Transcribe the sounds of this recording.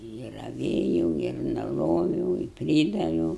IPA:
ɪ rɐˈʋʲeːjɛʊ ɪr nʊˈroːʋʲɛʊ ɪ ˈpʲrʲiːdɐʋʲɛʊ

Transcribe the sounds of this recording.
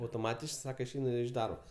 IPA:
ɐʊtoːˈmɑːtʲɪʃ ˈsɑːkɐ ɪʃʲˈɛɪnʊ ɪʃ ˈdɐrboː

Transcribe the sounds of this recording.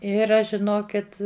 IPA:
ˈɪr ˈɐʃ ʒʲɪˈnoːkʲɪt

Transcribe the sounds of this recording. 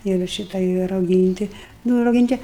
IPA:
ɪr ˈʃʲiːtɐ ɪ rɐʊˈɡʲiːnʲtʲɪ ˈnʊ rɐʊˈɡʲiːnʲtʲɪ

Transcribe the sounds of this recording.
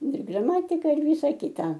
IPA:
ɪr ɡrɐˈmɑːtʲɪkɐ ɪr ˈʋʲiːsɐ ˈkʲɪtɐ

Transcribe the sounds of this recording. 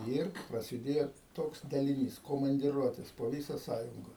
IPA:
ˈɪr prɐsʲɪˈdʲeːjoː ˈtoːks dɐlʲɪˈnʲiːs koːmɐnʲdʲɪˈruɔtʲeːs poː ˈʋʲiːsɐ ˈsɑːjʊŋɡɐ

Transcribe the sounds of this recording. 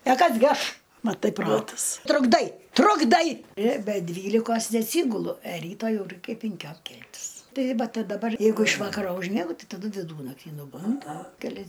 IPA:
pʲɛ ˈkɐs ɡʲɪ ˈɐʃ mɐˈtɐɪ ˈproːtɐs trʊɡˈdɐɪ trʊɡˈdɐɪ ɪr bʲɛ ˈdʲʋʲiːlʲɪkoːs nʲɛɐtʲˈsʲiːɡʊlˠʊ ɛ ˈrʲiːtɐ ˈjɛʊ ˈrɐɪkʲɛ pʲɪŋʲˈkʲoːm ˈkʲɛlʲtʲɪs ˈtɐɪ ˈʋɐ tɐ dɐˈbɐr ˈjɛɪɡʊ ɪʃ ˈʋɑːkɐroː ʊʒʲˈmʲiɛɡʊ ˈtɐɪ tɐˈdʊ ʋʲɪˈduːnɐktʲiː nʊˈbʊndʊ kʲɛˈlʲɛs

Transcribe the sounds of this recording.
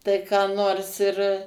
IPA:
ˈtɐɪ kɑː ˈnoːrs ɪr

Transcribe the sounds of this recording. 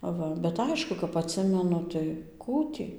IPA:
ˈʋɐ bʲɛt ˈɐɪʃkʊ kɐp ɐtʲˈsʲɪmʲɛnʊ tɐɪ ˈkuː tʲiː

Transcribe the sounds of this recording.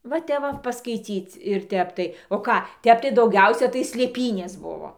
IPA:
ʋɐ ˈtʲɛp ʋɐ pɐskɐɪˈt͡sʲiːt͡s ɪr ˈtʲɛp tɐɪ oː ˈkɑː ˈtʲɛp tɐɪ dɐʊˈɡʲɛʊsʲɛ tɐɪ sʲlʲeːˈpʲiːnʲeːs ˈbʊʋoː

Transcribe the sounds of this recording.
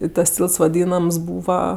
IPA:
ɪ tɐs ˈtʲiːlˠts ʋɐˈdʲiːnɐms ˈbuːʋɐ

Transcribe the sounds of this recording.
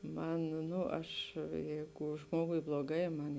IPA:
ˈmɐn ˈnʊ ˈɐʃ ˈjɛɪɡʊ ˈʒmoːɡʊɪ blˠoːˈɡɐɪ ˈmɐn

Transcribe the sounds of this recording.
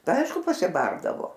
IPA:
tɐɪ ˈɐɪʃkʊ pɐsʲɪˈbɐrdɐʋoː

